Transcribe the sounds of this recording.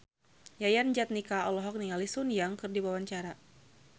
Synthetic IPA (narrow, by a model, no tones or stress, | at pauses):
jajand͡ʒat̪̚nikaɔlɔɦɔk̚niŋalisunjaŋkɨrdiwawaɲt͡ʃaɾa